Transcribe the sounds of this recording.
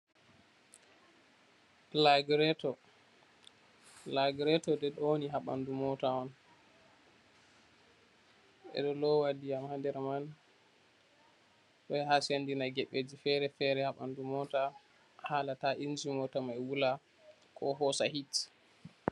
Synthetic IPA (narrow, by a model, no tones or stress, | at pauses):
laɡɾɛtɔ | laɡɾɛtɔdɛɗoniɦaɓa̰ndumɔtawɔn | ʔɛ̰ɗɔlɔwadijamhadɛɾman | ɗɔjhasandinaɡɛɓːed͡ʒifɛɾɛfɛɾɛhaɓandumɔta | halataʔind͡ʒimɔtamajwula | kʰɔɦɔsa̰hit